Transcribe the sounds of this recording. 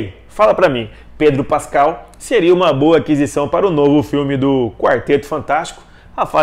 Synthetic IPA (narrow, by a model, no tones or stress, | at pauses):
falɐpɾɐmĩ | ped̪ɾʊpaskaw | seɾiɐũmɐboɐakizisɐ̃w̃paɾɐʊnovʊfiwmɪd̪ʊkwaɾt̪et̪ʊ̥fɐ̃nt̪ast͡ʃi̥kʊ̥ | ɐfa